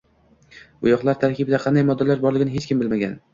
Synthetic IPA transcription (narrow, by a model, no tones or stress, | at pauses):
ʊjɒqlˠaɾt̪ʰaɾkʲɪbɪd̪aqʰɑnd̪ajmɒd̪ːalaɾbɒɾlɪɡʲɪnɪhe̞t͡ʃkʲʰɪmbɪlmaɡʲa̰n